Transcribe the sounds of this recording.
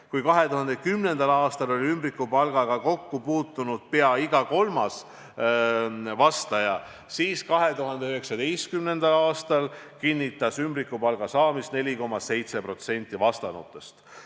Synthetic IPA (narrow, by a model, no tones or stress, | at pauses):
kujkɑɦe̞t̪uɦɑnd̪ekymne̞nd̪̥ɑlɑːst̪ɑlo̞lʲiymbrikːˑupɑlɡ̥ɑɡ̥ɑko̞kːupuːt̪ˑːunud̪̥̚pe̞ɑiɡ̥ɑko̞lmɑs | vɑst̪ɑjɑ | siːskɑɦe̞t̪uɦɑnd̪eyɦeksɑd̪ejst̪kymne̞nd̪ɑlɑːst̪ɑl | kinʲːit̪ːˑɑsymbrikːˑupɑlɡ̥ɑsɑːmist̪ne̞lʲiko̞mɑse̞jt̪se̞pro̞t̪se̞nʲt̪ˑːivɑst̪ɑnṵt̪ːˑestt̪